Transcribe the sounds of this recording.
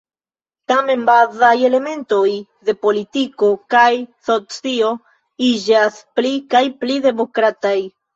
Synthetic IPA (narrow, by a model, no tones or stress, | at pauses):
tame̞nbazaje̞le̞me̞nto̞jde̞politiko̞kajso̞t͡sio̞ | id͡ʒasplikajplide̞mo̞kɾataj